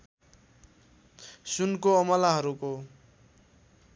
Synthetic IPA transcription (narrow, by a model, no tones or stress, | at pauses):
sunkoʌmʌlaɦʌɾuko